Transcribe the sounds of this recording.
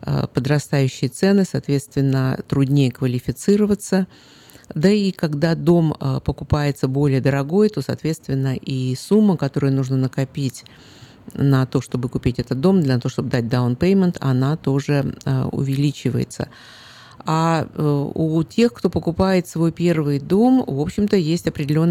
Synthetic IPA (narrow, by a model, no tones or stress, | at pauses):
ə̰pəd̪ɾɐst̪ajʉɕːɪjət̪sɛnɨsaːt̪vʲe̞t̪st̪vʲɪnːət̪ɾʊdʲnʲejəkvəlʲɪfʲɪt̪sɨɾəvət̪sə | d̪əikaɡd̪ad̪o̞mpəkʊpajɪt̪səbo̞lʲɪjəd̪əɾɐɡo̞jt̪o̞sa̰ːt̪vʲe̞t̪st̪vʲɪnːəʔisumːəkɐt̪o̞ɾəjənuʐnənəkɐpʲitʲ | nɐt̪o̞ʂt̪o̞bɨkʊpʲitʲɛt̪ət̪̚d̪o̞md̪lʲənɐt̪o̞ʂt̪o̞b̚ɨd̪at̚ʲd̪aʊnpejmʲɪnt̪ʰɐ̰nat̪o̞ʐɨʊ̰vʲɪlʲit͡ɕɪvə̰jɪ̰t̪sə̰ | a | utʲe̞xkt̪o̞pəkʊpajɪt̪svo̞jpʲe̞rvɨjd̪o̞mvo̞pɕːɪmt̪əjesʲtʲɐpɾʲɪdʲɪlʲo̞nː